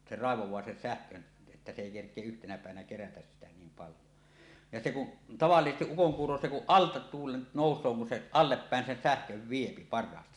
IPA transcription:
se rɑˑeʋowˑɑː sen sæhkøn etːæ se eˑi kerkˑie yhtenæ pæˑeʋænæ kerætæs sitæ niːm pɑljo jɑ se kuʔ tɑʋɑlːisestiʔ ʔukoŋkuːro se kuʔ ʔɑltɑ tuːlen noˑusˑoː kun se ɑlːepːæˑen sen sæhkøʋ ʋiepi pɑrˑɑːstɑ

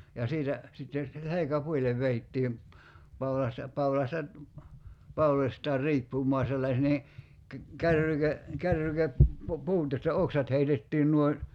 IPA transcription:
jɑ siːtæ sitːen̞ selekæpuilˑeʋ ʋeitːiːm pɑulɑstɑ pɑulɑstɑ pɑulosʲtɑːr riːpːumˑoɑ selːɑs niː kæ kærːyke kærːyke pu puːt jostɑ oksɑt heitetːiːn nuoin̞

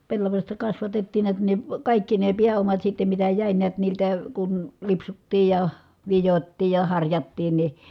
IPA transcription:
pelːɑʋɑsʲtɑ kɑsʋɑtetːiːn niæt ni kɑˑikːi ne piæomɑt sitːem mitæ jæˑi niæt niːltæ kun lipsutːiː jɑ ʋijotːiː jɑ hɑrjɑtːiːn ni

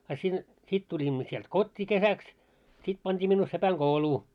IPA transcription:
ɑ sin sit tulʲimːo sielt kotʲːiː kesæks sit pɑntʲiː minːuː sepæŋɡ̊ouluː

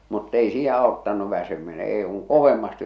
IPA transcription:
mutː ei siː ɑotːɑnˑu ʋæsymine eˑe̝ kuŋ koʋemːɑsti

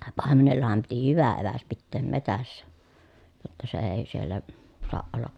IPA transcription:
pɑˑemenelːɑhɑm piti hyʋæ eʋæs pitːeːm metæsːæ jotːɑ se eː sielːæ soɑʔ ʔolːɑ

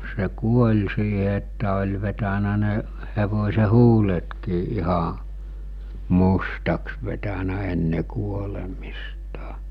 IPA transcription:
se kuolʲ siːɦe etːæ olʲ ʋetænæ ne heʋosʲe huːletkiː ʔihɑ mustɑks ʋetænæ enːe kuolemistɑ̥

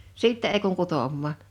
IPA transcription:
siˑtːɛ ei kuŋ kutoˑmːɑːn̞

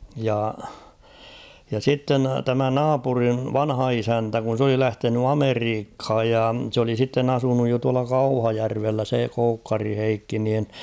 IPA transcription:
jɑ jɑ sitːen tæmæ nɑːpuriʋ ʋɑnhɑ isæntæ kun̞ s oli læhteny ɑmeriːkh̝ɑj jɑ s oli sitːen ɑsunuj jo tuɑlɑ kɑuhɑjærʋelːæ se koukːɑri heikːi niːn

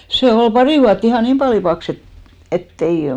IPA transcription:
se ol pɑri ʋuɑtː ihɑˑ niːm pɑli pɑks et etː ei

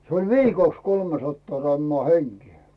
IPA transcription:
se olʲ ʋiːkoˑks kolmesɑtːɑː rɑmːŏɑˑ heŋkĭɛ

